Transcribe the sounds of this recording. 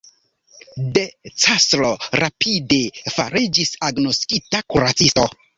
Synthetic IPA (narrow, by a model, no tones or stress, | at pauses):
det͡sasloɾapʰidefa̰ɾid͡ʒisaɡno̞skitakuɾat͡sisto